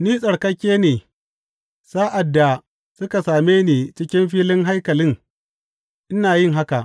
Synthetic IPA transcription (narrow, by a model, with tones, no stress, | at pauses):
niː˦sʼɐ˨ɽkɐ˦kʲːeː˦neː˨ | saː˦ʔa˨dːa˨ | sʊ˦ka˨saː˨meː˦neː˨t͡ʃɪ˦kʲɪ˦mɸiː˦lɪ˦ŋɦa˦jkɐ˨lɪ˦ŋ | ʔɪ˦naː˨jɪ˦˨ŋɦa˦ka˨ʔ